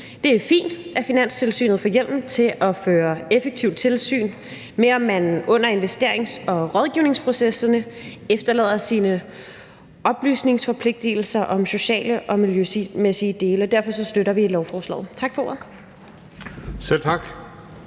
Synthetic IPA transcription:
d̥e̝æɐfḭːnd̥æfinæn̰st͡sʰe̝lsy̰ːnð̩ˠfɒjel̰mt͡sʰe̝ʔɒ̽føːɐefeɡ̥̚t͡sʰiʊd̥̚t͡sʰe̝lsy̰ːn | meɒ̽mːænɔ̽n̰ɐe̝nʋesd̥e̝ɐ̰eŋsɒ̽ʁɒ̽ð̞ˠɡ̥iʊne̝ŋspʰʁo̝sesɐnəefd̥ɐlɛ̰ð̞̰ˠɐsiːnə | ʔɒ̽b̥ly̰ːsne̝ŋsfɒ̽pʰle̝ɡ̥̚d̥il̩sɐʔɒ̽mso̝ɕɛ̰ːləʔɒ̽miljøsimesiəd̥e̝ːləɒd̥æɐfɒ̽sɒ̽sd̥øɾɐʋilɒʊfɒːslɛ̰ːð̩ˠt͡sʰɑ̈ɡ̥fɒ̽o̝ːɐð̩ˠ | sel̰t͡sʰɑɡ̥

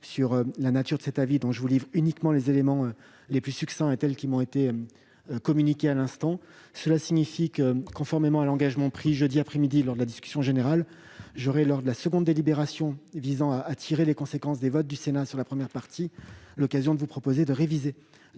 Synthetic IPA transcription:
syʁølanat̪yʁd̪əsɛt̪avid̪ɔ̃ʒəvulivʁynikmɑ̃lezelemɑ̃ø | leplysyksɛ̃et̪ɛlkʲimɔ̃et̪eø | økɔmynikʲealɛ̃st̪ɑ̃səlasiɲifikəkɔ̃fɔʁmemɑ̃alɑ̃ɡaʒmɑ̃pχiʒəd̪iapχɛmid̪ilɔʁd̪əlad̪iskʲy̥sjɔ̃ʒeneʁal | ʒɔʁɛlɔʁd̪əlasəɡɔ̃d̪ːelibeʁasjɔ̃vizɑ̃aʔːt̪ʰiʁelekɔ̃sekɑ̃sd̪evɔt̪̚d̪ysenasyʁlapχəmjɛʁpaʁt̪ʰilɔkazjɔ̃d̪əvupχɔpozed̪əʁevize

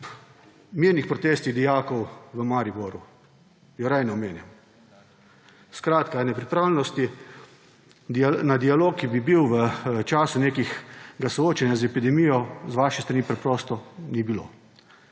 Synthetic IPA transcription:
miɾnixpɾɔt̪eːst̪iɣd̪ijaːkɔwʋəmaɾibɔɾu | jɔɾɛjnɛɔmeːnjam | skɾaːt̪kanɛpɾipɾaːwlɛnɔst̪i | d̪inad̪ialoːkːibibiwʋət͡ʃaːsuneːkixɡasɔoːt͡ʃanjazɛpid̪ɛmijɔzʋaːʃɛst̪ɾaniːpɾɛpɾɔːst̪ɔnibilo̰ː

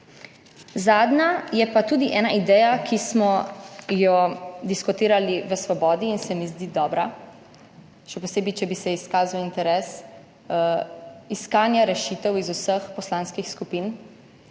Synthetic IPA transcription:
zaːd̪najɛpat̪uːd̪iʔɛːnaʔid̪ɛːjakʰismɔjɔd̪iskɔt̪iːɾaliʋəsʋɔbɔːd̪iːnsɛmizd̪iːd̪ɔːbɾa | ʃɛpɔseːbit͡ʃɛbisɛiskaːzawint̪ɛɾɛːs | iskaːnjaɾɛʃiːt̪ɛwizusəxpɔslaːnskixskupin

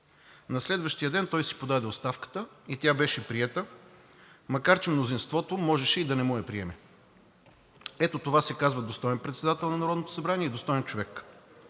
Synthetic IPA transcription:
nɐslɛd̪vəʃt̪ijəd̪ɛnt̪ɔjsi̥pod̪ad̪ɛot̪st̪afkə̥t̪əit̪ʲabɛʃɛpɾiɛt̪ə | mɐkaɾt͡ʃɛmnozinst̪vɔt̪omɔʒɛʃɛid̪ɐnɛmujɐpɾiɛmɛ | ɛt̪ot̪ovasɛkazvɐd̪ost̪ɔjɛnpɾɛt̪sɛd̪at̪ɛlˠnɐnɐɾɔd̪not̪o̥sɐbɾaniɛid̪ost̪ɔjɛnt͡ʃovɛk

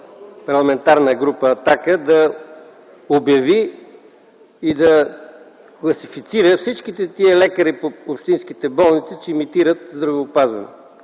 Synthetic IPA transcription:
pɐɾlˠɐmɛnt̪aɾnəɡɾupəːt̪akəd̪ɐ | objɐvi | id̪ɐ | klˠɐsifit̪siɾəfsit͡ʃk̟it̪ɛt̪iəlɛkəɾipoopʃt̪inskit̪ɛbɔlˠnit̪sit͡ʃɛimit̪iɾət̪zd̪ɾɐvoːpazvɐ̰no̰

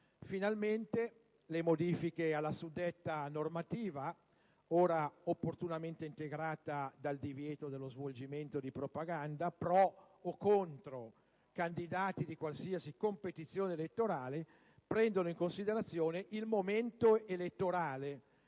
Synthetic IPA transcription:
finalment̪e | lemod̪iːfikealːasud̪ːet̪ːanormat̪iːva | oːɾaopːort̪unament̪eint̪eɡɾaːt̪ad̪ald̪ivjɛːt̪od̪elːozvold͡ʒiment̪od̪ipɾopaɡand̪apɾɔ | okːont̪ɾo | kand̪id̪aːt̪id̪ikwalsiasikompet̪it̪sːjoːneelet̪ːoɾaːle | pɾɛnd̪onoiŋkonsid̪eɾat̪sːjoːneʔilmoment̪oelet̪ːoɾaːle

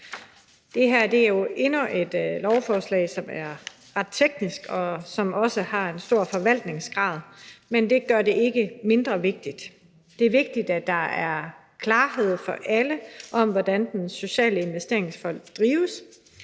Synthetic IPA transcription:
d̥e̝ɦæɐ̰d̥e̝æɐjo̝ʔe̝nɐʔe̝d̥lɒʊfɒːslɛ̰ɪsɒ̽mæɐ | ʁɑd̥̚t͡sʰeɡ̥nisɡ̥ɒ̽sɒ̽mɒ̽səhɑ̈e̝nsd̥o̝ɐ̰fɒ̽ʋæl̰d̥ne̝ŋsɡ̥ʁɑ̈ːðˠmend̥e̝ɡ̥ɶɐde̝e̝ɡ̥əme̝nd̥ʁɐʋe̝ɡ̥̚d̥id̥ | d̥e̝æɐʋe̝ɡ̥̚d̥id̥æd̥ɑ̈æɐ | kʰlɑ̈ːɦe̝ð̰ˠfɒ̽ʔæləʔɒ̽mʋɒd̥ænd̥enso̝ɕɛ̰ːləe̝nʋesd̥e̝ɐe̝ŋsfɒl̰d̥ʁiːʊəs

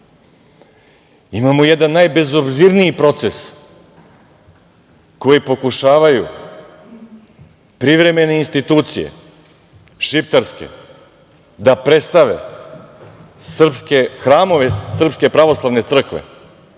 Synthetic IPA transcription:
imamojɛd̪anːajbe̞zobziɾniipɾo̞t̪ses | ko̞jipo̞kuʃaːʋajṵ | pɾiʋɾe̞me̞ne̞inst̪it̪uːt̪sijḛ | ʃipt̪aɾske̞̰ | d̪apɾe̞t̪st̪aʋḛ | sr̩pskexɾaːmo̞ʋesr̩pske̞pɾaʋo̞slˠaʋne̞t̪sr̩kʋḛ

